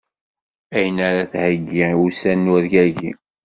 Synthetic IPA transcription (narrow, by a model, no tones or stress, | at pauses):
æjənaɾaθhəɡːiiusænːuðʝæʝḭ